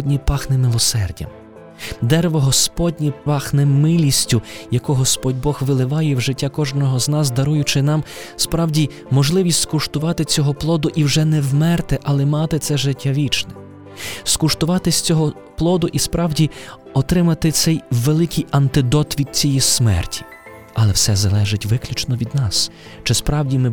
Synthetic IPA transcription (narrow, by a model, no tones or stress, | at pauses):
dʲnʲipɑxnɛmɪlˠɔsɛrdʲɐ̰m | d̪ɛɾʋɔɦɔspɔdʲnʲipɑxnɛmɪlʲisʲtʲʊjɐkʊɦɔspɔdʲbɔxʋɪlˠɪʋɑjɛwʒɪtʲːakɔʒnɔɦɔznɑs̬d̪ɐɾujʊt͡ʃɪnɑmspɾɑwdʲi | mɔʒlˠɪʋʲisʲt̪ʲskʊʃt̪ʊʋɑt̪ɪt͡sʲɔɦɔplˠɔd̪ʊʔiwʒɛnɛwmɛrt̪ɪʔɐlˠɛmɑt̪ɪt̪sɛʒɪtʲːaʋʲit͡ʃnɛ | skʊʃt̪ʊʋɑt̪ɪsʲt͡sʲɔɦɔ | plˠɔd̪ʊʔispɾɑwdʲi | ɔt̪ɾɪmɐt̪ɪt̪sɛjʋelˠɪkʰijɐnt̪ɪd̪ɔt̪ʋʲid̪̚t͡sʲijismɛ̰rtʲi̥ | ɐlˠɛwsɛzɐlˠɛʒɪtʲʋɪklʲut͡ʃnɔʋʲid̪nɑs | t͡ʃɪspɾɑwdʲimɪ